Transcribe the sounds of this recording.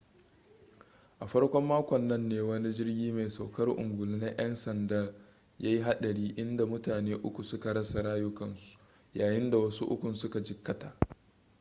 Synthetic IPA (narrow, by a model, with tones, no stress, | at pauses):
ʔa˨ɸɐ˦ɽkʷɔ˦mːaː˦kʷɔ˨nːɐ˦nːeː˦wɐ˦ni˦d͡ʒɪ˦rɡʲiː˦meː˨sa˨wkɐ˦rʔʊ̰˨ŋɡʷʊ˨lɪ˦nɐ˦jʔɐ˦nsɐ˨ndaː˦ | jaː˦ji˦ɦa˦ɗɐ˨ɽiː˦ʔɪ˦nda˨mʊ˦taː˨neː˦ʔʊ˦kʷu˨sʊ˦ka˨ɾɐ˦sa˨ɽaː˦jʊ˦kɐ˨nsu̥˨ | jaː˨jɪ˦nda˨wɐ˦su˦ʔʊ̰˦kʷʊ˨nsʊ˦ka˨d͡ʒɪ˨kːɐ˦taː˨ʔ